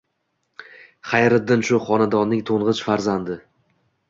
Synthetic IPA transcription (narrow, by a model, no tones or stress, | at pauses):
χajɾɪd̪ːɪnʃʊχɒnad̪ɒnːɪŋt̪ʰoɴʁɨt͡ʃfaɾzand̪ɪ